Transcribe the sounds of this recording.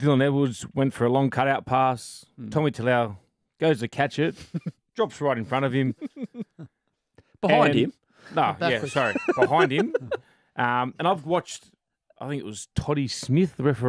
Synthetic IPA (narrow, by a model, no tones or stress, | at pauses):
d̥ɪlˠə̃nɛd̚wʊdzwɛ̃ntfə˞əlɔ̃ŋkʰʌɾaʊt̚pʰæstʰɑmitʰɨlɛ | ɡ̥oʊzɨkʰæt͡ʃɨt̚d̥ɹ̥ɑpsɹaɪɾɨ̃n̩fɹʌ̃ɾ̃ʌv̥ɨ̃m | b̥əɨãɪ̃ndɪ̃m | noʊjæsɑɹib̥əhãɪ̃nd̚ɨ̃m | ʔʌ̃mɨ̃naɪvwɑt͡ʃ | aɪθɪ̃ŋkɪt̚wʌz̥tʰɑɾismɪθðəɹɛfə˞